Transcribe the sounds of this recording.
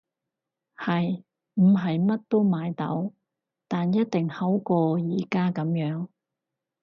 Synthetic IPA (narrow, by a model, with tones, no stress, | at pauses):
hɐ˨j | m̩˨˩ɦɐ˨jmɐ˥t̚t̪o˥wmaː˨˧jt̪ɐ̰˨˥w | t̪aː˨njɐ˥t̚t̪ɪ˨˩ŋhɐ˨˥wkɔː˧jiː˨˥kaː˥kɐ˨˧˥mjœː˨˥ŋ